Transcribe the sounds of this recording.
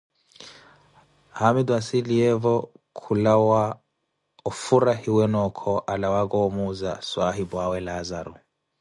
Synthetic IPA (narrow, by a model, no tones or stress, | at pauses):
hamid̪wasiliɛvɔkʰulawa | ɔfuɾahiwɛnɔkʰɔʔalawakɔːmuza̰swaɦibwawɛlazaɾṵ